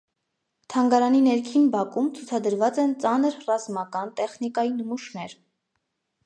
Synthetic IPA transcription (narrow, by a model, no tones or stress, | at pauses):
t̪ʰɑŋɡɑɾɑninɛɾkʰinbɑkumt͡sʰut͡sʰɑd̪əɾvɑt͡sɛnt͡sɑnəɾrɑzmɑkɑnt̪ɛχnikɑjinəmuʃnɛɾ